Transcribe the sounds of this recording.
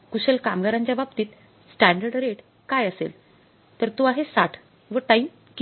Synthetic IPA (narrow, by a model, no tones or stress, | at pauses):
kuɕelkamɡaɾaɲt͡ɕjababt̪iːt̪ | sʈæɳɖəɾɖɾeʈ | kajəsḛl | t̪əɾt̪oaɦesaʈʰ | ʋəʈaim | k